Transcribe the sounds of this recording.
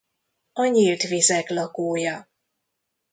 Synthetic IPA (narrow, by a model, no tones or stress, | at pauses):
ɒɲilt̪ʋizɛklɒkoːjɒ